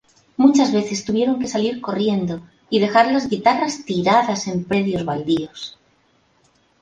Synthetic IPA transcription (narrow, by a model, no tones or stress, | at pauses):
mut͡ʃazβe̞θe̞st̪uβje̞ɾo̞ŋke̞saliɾko̞rje̞nd̪o̞ | ið̞e̞xaɾlazɣit̪arast̪iɾaðase̞mpɾe̞ðjo̞zβald̪io̞s